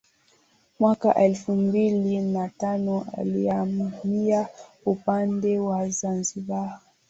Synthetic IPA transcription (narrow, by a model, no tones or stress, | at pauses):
mwakaʔɛlfumbilinatanɔʔa̰liamia | upandɛwazanziɓa